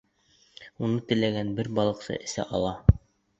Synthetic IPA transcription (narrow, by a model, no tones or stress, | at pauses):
unɤt̪ɘ̆læɡænbɘɾbɑlˠɤ̆qsɤ̰ʔɘ̆sæ̰ʔɑlˠɑ